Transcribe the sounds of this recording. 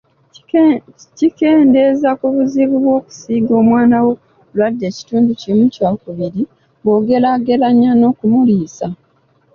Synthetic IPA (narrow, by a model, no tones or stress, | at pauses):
cike̞ːnde̞zakuβuziβuβwo̞ːku̥siɡo̞ːmwaːnawo̞ | lwadːe̞ci̥tuːnducimucwaːkuβiɾi | bo̞ːɡe̞laɡe̞laɲːano̞ːkumuliːsa